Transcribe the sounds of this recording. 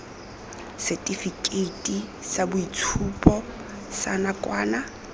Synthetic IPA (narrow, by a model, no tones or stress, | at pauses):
sɛtʼifikʼeitʼisabʊit͡sʰupʼɔ | sanakʼwaːna